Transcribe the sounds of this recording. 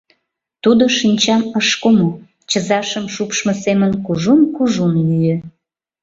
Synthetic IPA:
t̪ud̪oʃinʲt͡ɕɑməʃkomo | t͡ɕəzɑʃəmʃupʃməsemənkuʒunkuʒunlyjø

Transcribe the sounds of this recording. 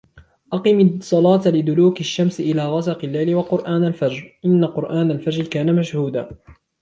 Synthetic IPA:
ʔɑqɨmsˤɑlɑːt̪alɪd̪ʊluːkaʃːamsʔɪlaːɣɑsɑqɪlːajlɪwɑqʊɾʔaːnalfad͡ʒɾʔɪnːaqʊɾʔaːnalfad͡ʒɾkaːnamaʃhuːd̪aː

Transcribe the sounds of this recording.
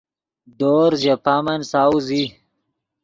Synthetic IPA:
d̪oːɾzjapaːmɐnsawzi

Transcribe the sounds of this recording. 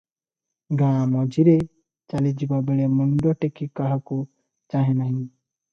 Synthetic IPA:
ɡãɽ̃ãmɔd͡ʒʱiɾe | t͡ʃalid͡ʒibabeɭemɔɳɖɔʈekikaɦaku | t͡ʃaɦẽnaɦĩ

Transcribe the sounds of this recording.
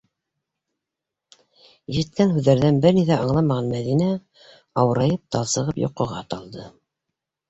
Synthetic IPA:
jɘ̆ʃɘ̆t̪̚kænɦʉðːæɾðænbɘɾniθæʔɑɴlˠɑmɑʁɑnmæðinæ | ɑwɤ̆ɾɑjɤp̚t̪ɑlˠsɤ̆ʁɤpjo̰qŏʁɑt̪ɑlˠd̪ɤ

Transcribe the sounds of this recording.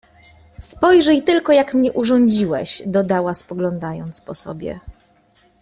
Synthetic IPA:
spɔjʐɛjt̪ɘlkɔjakmɲɛʔuʐɔɲd͡ʑiwɛ̰ɕd̪ɔd̪awaspɔɡlɔnd̪ajɔnt̪spɔsɔ̰bʲjɛ̰

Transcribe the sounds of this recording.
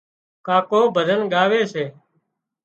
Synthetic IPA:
kaːkoːbʱəd̪ənɠaːʋeːseː

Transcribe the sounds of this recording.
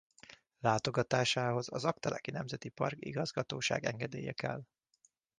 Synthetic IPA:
laːt̪o̞ɡɒt̪aːʃaːɦo̞zɒzɒkt̪ɛlʔɛkinɛmzɛt̪ipɒrkḭɡɒzɡɒt̪oːʃa̰ːɡɛŋɡɛd̪eːjɛkɛ̰l

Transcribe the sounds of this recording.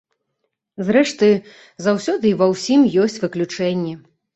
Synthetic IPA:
zrɛʂt̪ɨ | zawsʲɔd̪ɨivɐwsʲimjɔsʲt͡sʲvɨklʲut͡ʂɛnʲːɛ

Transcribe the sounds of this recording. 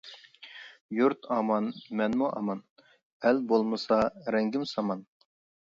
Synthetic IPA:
juɾt̪ʰɑmɑnmɛnmuʔɑ̰mɑn | ɛlbolˠmɨsɑɾɛŋɡʲɪmsɑmɑn

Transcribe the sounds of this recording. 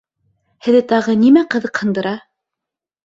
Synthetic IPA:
hɘ̆ðɘt̪ɑʁɤnimæqɤ̆ðɤqhɤ̆nd̪ɤ̆ɾɑ

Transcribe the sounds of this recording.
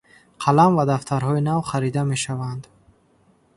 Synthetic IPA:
qʰalamvad̪aft̪ʰaɾɦɔinavχaɾid̪ame̞ʃavand̪

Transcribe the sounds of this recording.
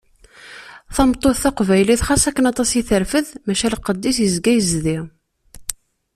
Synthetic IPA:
θɑmt̪ˤːoθθɑqvæjliθχɑsækːənɑt̪ˤɑsiθəɾfəðmæʃælqəd̪ːisjəzɡæjəzði

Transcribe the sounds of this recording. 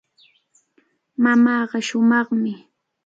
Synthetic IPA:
mamɑːɢɑʃʊmɑχmɪ

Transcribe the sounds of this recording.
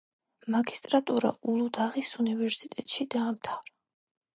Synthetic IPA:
maɡist̪ʼɾat̪ʼuɾa̰ulˠud̪aʁisunivɛɾsit̪ʼɛt̪ʼʃid̪aːmt̪ʰavɾɔ

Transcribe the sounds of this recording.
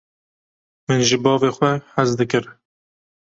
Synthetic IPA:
mɨnʒɨbɑːveːxwɛħæzd̪ɨkɨɾ

